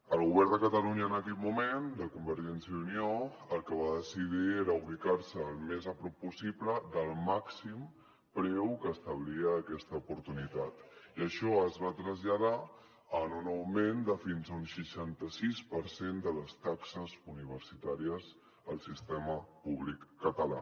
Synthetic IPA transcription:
əlˠɣuβɛɾd̪əkət̪əluɲəːnəkɛt̪mumend̪əkumbəɾʒɛnsjəðunioəlˠkəβ̞aðəsið̞ieɾəuβikarsəːlˠmezəpɾɔpːusipləd̪əlˠmaksim | pɾɛwkəːst̪əβliəːkɛst̪əupuɾt̪unit̪at̪iəʃɔəzβat̪ɾəzʎaða | ənunəwmend̪əfinzəunʃəʃant̪əsispəɾsend̪ələst̪aksəzuniβ̞əɾsit̪aɾiəz | əlˠsist̪ɛməpuβlikːət̪əla̰

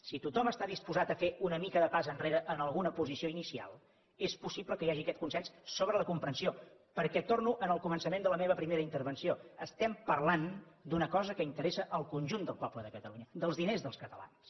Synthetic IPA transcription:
sit̪ut̪ɔməst̪aðispuzat̪əfeunəmikəðəpazənreɾəʔənəlˠɣunəpuzisioinisia̰lˠ | espusiβləkəjaʒiəkɛt̪kunsɛnsːoβɾələkumpɾənsio | pəɾkɛt̪ornuʔənəlˠkumənsəmẽnd̪ələmeβəpɾimeɾəint̪əɾβənsioəst̪ɛmpərland̪unəkɔzəkəint̪əɾesəʔəlˠkunʲʒund̪əlˠpɔbləðəkət̪əluɲəd̪əlˠzðinezðəlˠskət̪əla̰ns

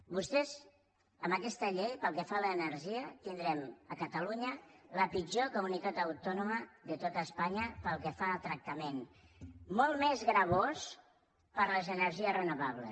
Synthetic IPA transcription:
bust̪ɛz | əməkɛst̪əʎejpəlˠkɛfaləːnəɾʒiət̪ind̪ɾɛməkət̪əluɲələpid͡ʒokumunit̪at̪əwt̪ɔnuməðət̪ot̪əːspaɲəpəlˠkəfaːt̪ɾək̚t̪əmen | mɔlˠmɛzɣɾəβ̞os | pəɾləzənəɾʒiərənuβaβlə̰

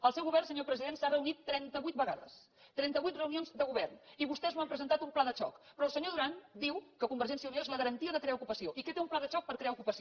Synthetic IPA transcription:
əlˠsɛwɣuβɛrnsəɲopɾəziðensarəunit̪ːɾɛnt̪əβujt̪̚bəɣaðə̰s | t̪ɾɛnt̪əβujt̪rəunionzd̪əɣuβɛrniβust̪ɛzmuampɾəzənt̪at̪umplaðət͡ʃɔ̰kpɾɔːlˠsəɲoðuɾand̪iwkəkumbəɾʒɛnsiəunioezləɣəɾənt̪iəðəkɾeaukupəsioʔiket̪eumplaðət͡ʃɔk̚pəɾkɾeaukupəsi

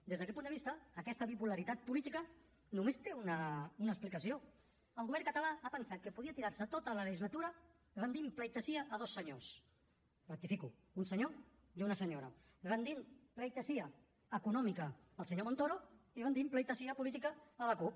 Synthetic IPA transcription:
d̪ezðəkɛt̪punəβist̪əːkɛst̪əpipuləɾit̪at̪̚pulit̪ikə | numesk̪eunəunəsplikəsio | əlˠɣuβɛɾŋkət̪alaapənsat̪̚kəpuðiət̪iɾaɾsət̪ot̪ələləʒizlət̪uɾə | βənd̪impləjt̪əsiəːðosːəɲos | rək̚t̪ifiku | unsəɲo | junəsəɲoɾə | βənd̪implejt̪əsiə | əkunɔmikə | əlˠsəɲomõnt̪oɾoiβənd̪impləjt̪əsiəpulit̪ikəːləkup̚

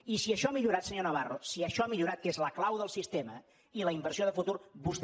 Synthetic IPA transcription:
isiəʃɔamiʎuɾat̪səɲonəβ̞arosiəʃɔamiʎuɾat̪̚kezləklawðəlˠsist̪emə | iləimbəɾrsioðəfut̪uɾbust̪

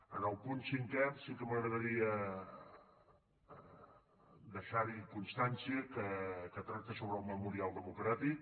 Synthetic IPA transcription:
ənəlˠpunsiŋkɛrsikəməɣɾəð̞əɾiə | d̪əʃaɾikunst̪ansiəkəkət̪ɾak̚t̪əsoβɾəlˠməmuɾialˠd̪əmukɾat̪ik

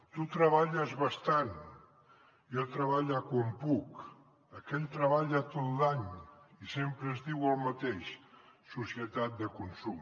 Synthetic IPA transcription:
t̪ut̪ɾəβ̞aʎəzβəst̪an | jot̪ɾəβaʎəkwampuk | əkɛʎt̪ɾəβaʎət̪ot̪laɲisempɾəːzðiwəlˠmət̪eʃsusiət̪at̪̚d̪əkunsum

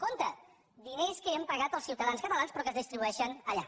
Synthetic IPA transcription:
kont̪ə | d̪ineskəəmpəɣat̪əlˠsiwt̪əðanskət̪əlanspɾɔkəzðist̪ɾiβuɛʃənəʎa̰

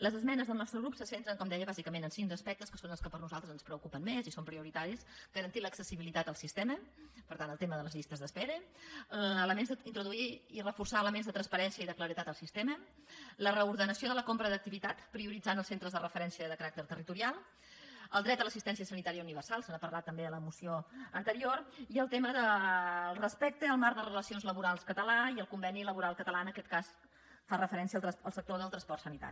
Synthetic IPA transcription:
ləzəzmɛnəzðəlˠnɔst̪ɾəɣɾupsəsent̪ɾəŋkɔmd̪ɛjəβazikəmenənsiŋd̪əspɛk̚t̪əskəsonəlˠskəpəɾnuzalˠt̪əzənspɾəukupənmezisompɾiuɾit̪aɾisɡəɾənt̪iləksəsiβilit̪at̪əlˠsist̪ɛməpəɾt̪anəlˠt̪eməðələzʎist̪əzðəspɛɾə | ələmenzəint̪ɾuðuiirəfursaələmenzðət̪ɾənspəɾɛnsiəiðəkləɾit̪at̪əlˠsist̪ɛmə | lərəuɾðənəsioðələkompɾəðək̚t̪iβit̪at̪pɾiuɾid͡zanəlˠsent̪ɾəzðərəfəɾɛnsiəðəkəɾak̚t̪əɾt̪ərit̪uɾialˠ | əlˠd̪ɾɛt̪d̪ələsist̪ɛns̬iəsənit̪aɾiəuniβərsalˠsənapərlat̪ːəmbeðələmusioənt̪əɾioriəlˠt̪eməðəlˠrəspɛk̚t̪əːlˠmaɾd̪ərələsionzləβuɾalˠskət̪əlaiəlˠkumbɛniləβuɾalˠkət̪əlaənəkɛt̪̚kas | farəfəɾɛnsiəːlˠt̪əlˠsək̚t̪oðəlˠt̪ɾənspɔrt̪sənit̪a̰ɾi

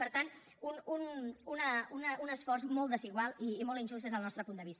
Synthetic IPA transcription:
pəɾt̪an | unununəunəunəsfɔrzmɔlˠd̪əziɣwalˠiːmɔlˠinʲʒustd̪ezðəlnɔst̪ɾəpund̪əβisə

